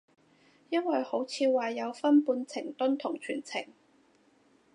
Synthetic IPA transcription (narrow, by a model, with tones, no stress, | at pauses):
jɐ˥nwɐ˨jho˨˥wt͡sʰiː˨˧waː˨jɐ˨˧wfɐ˥npuː˧nt͡sʰɪ˨˩ŋt̪ʊ˥nt̪ʰʊ˨˩ŋt͡ʃʰy̰ː˨˩nt͡sʰɪ̰˨˩ŋ